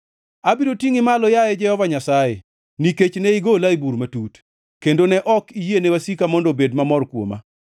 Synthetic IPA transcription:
abiɾotiŋɪmalɔjajɛd͡ʒɛhɔvaɲasaje | niket͡ʃnɛiɡolaibuɾmatut | kendonɛʔɔkijenɛwasikamɔndɔbedmamɔrkwo̰ma̰

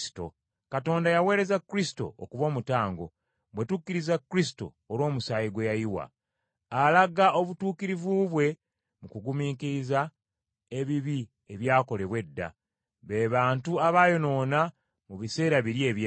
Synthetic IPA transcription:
to̰ | kato̞ːndajawe̞ːɾe̞zakːuɾisi̥to̞̰okuβo̞ːmutaːŋɡo̞̰ | βwe̞tukːiɾizakːuɾisi̥to̞̰ːlo̞ːmusaːjiɡwe̞jajiwa̰ː | laɡaʔo̞βutuːkiɾivuβwe̞ | mukuɡumiːkiɾiza | e̞βiβi | e̞βjaːko̞le̞βwe̞dːa̰ | βeːβaːntuaβaːjo̞no̞ːna | muβise̞ːɾaβiɾje̞ːβj

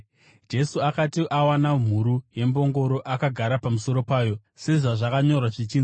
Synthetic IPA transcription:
d͡ʒe̞suakatiʔawanam̤uɾuje̞mbo̞ŋɡo̞ɾo̞ʔakaɡʱaɾapamuso̞ɾo̞paːjo̞ | se̞ʐaʐakaɲo̞rwaʐit͡ʃiːn

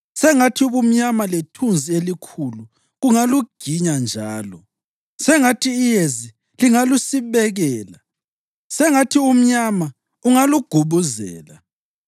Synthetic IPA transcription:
sɛŋatʰiβum̩ɲamaletʰund͡zʱielikʰulu | ɣuŋaluɡ̥ʱiɲand͡ʒʱaːlɔ̰ | sɛŋatʰiːjezi | liŋalusiβɛɣɛːla | sɛŋatʰium̩ɲama | uŋaluɡ̥ʱuβuzɛ̰ːla

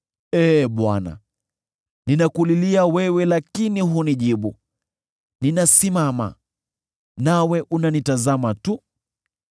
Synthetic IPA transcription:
ɛɓwa̰na̰ | ninakuliliawɛwɛlakiniɦuniʄiɓu | ninasimama̰ | nawɛʔunanitazamatu

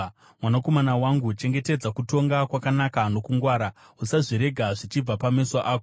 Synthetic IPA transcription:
mwanako̞manawaŋɡut͡ʃe̞ŋɡe̞te̞d͡zakuto̞ŋɡakwakanakano̞kuŋɡwaːɾa | usaʐiɾe̞ɡʱaʐit͡ʃib͡vapameswaʔaːko

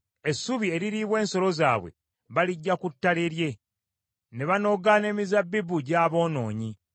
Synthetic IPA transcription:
e̞sːuβie̞ɾiɾiβwe̞ːnso̞lo̞zaːβwe̞̰ | βaliɟːakutːaleɾje̞ | ne̞βano̞ɡane̞ːmizabːibuɟaːβo̞ːno̞ːɲi

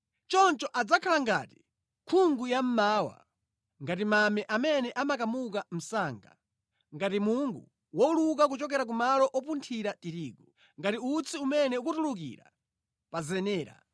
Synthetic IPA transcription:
t͡ʃɔnt͡ʃɔʔad͡zakʰalaŋɡa̰ːti̥ | kʰuŋɡujam̩maːwa̰ | ŋɡatimamɛʔamɛnɛʔamakamukam̩saːŋɡa̰ | ŋɡatimuŋɡu | wɔuluk̬ak̬ut͡ʃɔk̬ɛɾak̬umalɔʔɔpuntʰiɾatiɾiːku | ŋɡatiut͡sʰiumɛnɛuk̬utuluk̬ḭɾa̰ | pazɛnɛːɾa̰

